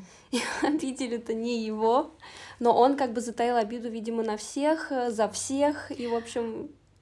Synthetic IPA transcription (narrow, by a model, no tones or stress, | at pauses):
iɐbʲitʲɪlʲʊt̪ənʲɪjɪvo̞no̞ʔo̞nkaɡ̚bɨzət̪ɐilˠɐbʲid̪ʊvʲidʲɪmənɐfsʲe̞xzɐfsʲexivo̞pɕːɪm